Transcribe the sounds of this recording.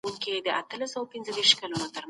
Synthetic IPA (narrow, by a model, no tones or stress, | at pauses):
uŋkid̪əʔat̪əlasawpinzəd̪eɾʃkalunot̪əɾm